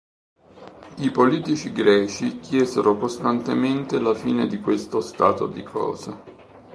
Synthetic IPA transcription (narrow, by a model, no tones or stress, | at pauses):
ipoliːt̪it͡ʃiɡɾɛːt͡ʃikjɛːzḛɾokost̪ant̪ement̪elafiːned̪ikwest̪ost̪a̰ːt̪o̰d̪ikʰɔ̰ːze